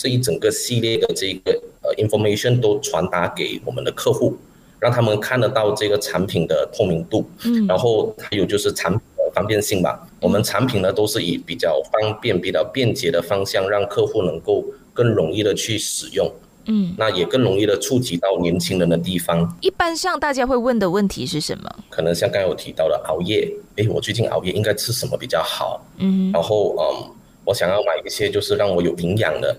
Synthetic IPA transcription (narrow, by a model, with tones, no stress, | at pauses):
ʈ͡ʂɤ˥˩i˧˥ʈ͡ʂə˨˩ŋɡə˦ɕi˥˧ljɛ˥˩d̪ə˩ʈ͡ʂɤ˥˧i˥˩ɡə˩ə˨˩ʔi˧˥nfɔ˧me˥ɕɔ˨˩nt̪o˥ʊʈ͡ʂʰwa˧˥nt̪a˧˥ke˧˩ɪwɔ˨˩mə̰˦nd̪ə˧kʰɤ˥˧xu˥˩ | ɻɑ˥˩ŋt̪ʰa˥mə˨nkʰa˥˩nd̪ə˩t̪ɑ˥˧ʊʈ͡ʂɤ˥˩ɡə˩ʈ͡ʂʰa˧˥npʰi˨˩nd̪ə˦t̪ʰo˥˩ŋmi˧˥ŋt̪u˥˩ɻa˧˥nxo˥˩ʊt̪ʰa˥jo˨˩t͡ɕjo˥˧ʊʂɻ̩˥˩ʈ͡ʂʰa˧˥np̚ʰi˨˩d̪ə˦fɑ˥ŋpjɛ˥˧nɕi˥˩ŋba̰˨˩wɔ˨˩mə˧˦nʈ͡ʂʰa˧˥npʰi˨˩nə˦t̪o˥ʊʂɻ̩˥˩i˨˩˦pi˨˩t͡ɕjɑ˥˧ʊfɑ˥ŋpjɛ˥˩npi˨˩t͡ɕjɑ˥˧ʊpjɛ˥˩nt͡ɕjɛ˧˥ɾə˧fɑ˥ŋɕjɑ˥˧ŋɻɑ˥˧ŋkʰɤ˥˧xu˥˩nɤ˧˥ŋko˥˧ʊkə˥˩ŋɻʊ˧˥ŋi˥˩ɾə˩t͡ɕʰy˥˩ʂɻ̩˨˩jʊ˥˩ŋ̩˥˩ | na˥˩jɛ˨˩kə˥˩ŋɻʊ˧˥ŋi˥˩d̪ə˩ʈ͡ʂʰu˥˩t͡ɕi˧˥t̪ɑ˥˩ʊnjɛ˧˥nt͡ɕʰi˥ŋɻə˧˦nd̪ə˧t̪̬i˥˩fɑ˧˥ŋi˥˩pa˥nʂɑ˥˧ŋt̪a˥˩t͡ɕja˥xwe˥˧ɪwə˥˩nd̪ə˩wə˥˩nt̪ʰḭ˧˦ʂɻ̩˥˩ʂə̰˧˦nmə̰˩kʰɤ˨˩nə˧˥ŋɕjɑ˥˧ŋkɑ˥ŋjo˨˩t̪ʰi˧˥t̪ɑ˥˩ʊd̪ə˩ʔɑ˧˥ʊjɛ˥˩e˥˩ɪwɔ˨˩t͡ɕwe˥˧ɪt͡ɕi˥˩nʔɑ̰˨˥ʊjɛ˥˩ʔi˥ŋka˥ɪt͡sʰɻ̩˥˩ʂə˧˨˥mə̰˧˦pi˨˩t͡ɕjɑ˥˩ʊxɑ̰˨˩˦ʊ˥ɻa˧˥nxo˥˩ʊʔə̰˩m | wɔ˧˥ɕjɑ̰˨˩ŋjɑ˥˩ʊna˨˩ɪi˥˩ɕjɛ˥t͡ɕjo˥˧ʊʂɻ̩˥˧ɻɑ˥˩ŋwɔ˧˥jo˨˩ʊi˧˥ŋjɑ̰˨˩ŋd̪ə̰˦